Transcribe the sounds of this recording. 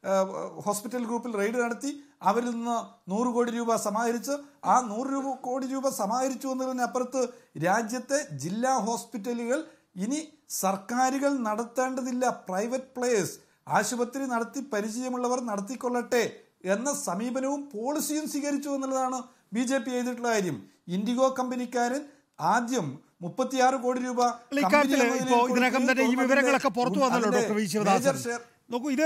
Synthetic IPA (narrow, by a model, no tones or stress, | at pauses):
ho̞ːspitːɐlɡɾuːpːilre̞jɖɨnɐɽɐt̪ːiɐʋɐɾilninːɨnuːrɨko̞ːɽiɾuːbɐsɐmaːɡɐɾit͡ɕːɨaːnuːrɨɾuːbɐko̞ːɽiɾuːbɐsɐmaːɡɐɾit͡ɕːuenːulːenːɐpːɐrɐt̪ːɨɾaːd͡ʑjɐt̪ːe̞d͡ʑilːaːɦo̞ːspitːɐluɣɐɭ | ini | sɐrkaːɾuɣɐɭnɐɽɐt̪ːe̞ːɳɖɐðilːɐprɐjʋɐt̚ːpɭeːjɐs | aːɕubɐt̪ːɾinɐɽɐt̪ːipɐɾit͡ɕɐjɐmuɭːɐʋɐrnɐɽɐt̪̬ːikʲːo̞ɭːɐʈːe̞ | enːɐsɐmiːbɐnɐʋumpo̞ːɭisijumswiːɣɐɾit͡ɕːue̞nːilːɐðaːɳɨ | biːd͡ʑe̞ːpijejðiʈːuɭːɐaːɾjɐm | indiɣo̞ːkɐmbɐnikʲːaːɾɐn | aːd̪jɐmː | upːɐt̪ːijaːrɨko̞ːɽiɾuːbɐɭikɐmkːabːɐtniɐmːɐɐloiðɾekːɐmt̪ɐnːeiːʋiʋɐɾɐŋɐɭokːe̞purɐt̪ːuʋɐnːɐlːoːoekːeʋiɕɐʋɐmðed͡ʑɐrɕeːr | noːkːuiðɨ